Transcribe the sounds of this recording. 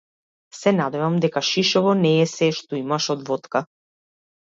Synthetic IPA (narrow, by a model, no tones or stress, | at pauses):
sɛnad̪ɛvamd̪ɛkaʃiʃɔvɔnɛːsɛʃt̪ɔimaʃɔd̪vɔt̪ka